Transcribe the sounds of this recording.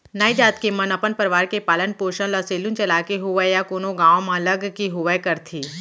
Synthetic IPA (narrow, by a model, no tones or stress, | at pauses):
naːid͡ʒaːt̪kemɐnɐpənpəɾʋaːɾkepaːlənpoːʃə̃lɐseːlũnt͡ʃɐlaːkeɦʊʋəjakoːnõɡãːõmãləɡkiɦʊʋəjkɐɾt̪ʰiː